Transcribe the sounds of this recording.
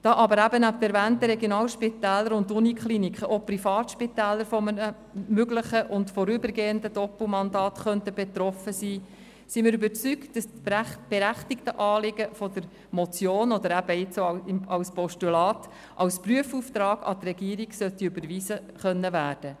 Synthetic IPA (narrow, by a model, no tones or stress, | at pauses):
d̥ɑːʔɑbəɾæbənæp̚tɛɾvæːnt̪əɾɛɡjonɑːlʃpɪt̪æːlːəɾʊndunikχlinikχəʔopɾifɑːtʃpɪt̪æːlːəɾfɔmənə | møɡləχəʔʊntfɔɾʏbəɾɡeːəndədɔpl̩mɑnd̪ɑːt̪χœntəbet̪ɾɔfəsiː | simɪːɾʏbəɾt͡syktd̥ɑstb̥eɾæχtɪktəʔɑːlɪɡəfɔd̪əɾ | mɔt͡sjoːnɔd̪əɾæb̥əɪt͡soɑɪmɑwspɔʃtylɑːt | ʔɑwspryəfuːft̪ɾɑːɡ̥ɑ̰t̪rɛɡiːɾiɡsœtːiøbəɾʋiːzə | χœnːəvæːrd̥ə